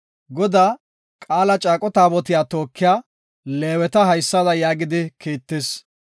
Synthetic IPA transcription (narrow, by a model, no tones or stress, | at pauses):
ɡɔd̪aː | kʼaːlɐt͡ʃʼaːkʼɔt̪aːbɔt̪ɪjaːt̪o̞ːkːɪjaː | le̞ːwɛt̪ɐɦɐjsːɐd̪ɐjaːɡɪd̪ɪkʰiːt̪ːɪs